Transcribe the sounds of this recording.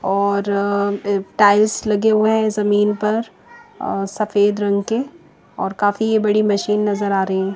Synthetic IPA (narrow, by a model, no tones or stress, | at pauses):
ɔːɾ | ʈaːɪlslɐɡeɦoɦɛ̃zɐmiːnpɐɾ | sɐfeːd̪ɾɐ̃ŋɡke | ɔ̰ːɾkaːfiebɐɽimɐʃiːnːɐzəɾaːɾɐɦɦɛ̃ː